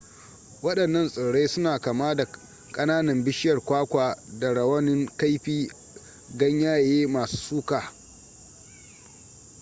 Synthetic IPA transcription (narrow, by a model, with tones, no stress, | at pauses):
wɐ˦ɗɐ˨nːɐ˦nsʼʊ˨ɽe˦sʊ˦naː˨kaː˨maː˦da˨ | kʼɐ˦naː˦nɐ˨mbɪ˦ʃɪ˦jɐ˨rkʷaː˦kʷaː˨da˨ɽɐ˨wɐ˦nɪ˦ŋka˦jɸiː˦ | ɡɐ˦ɲjaː˦jeː˦maː˨su̥ː˦suː˦kaː˨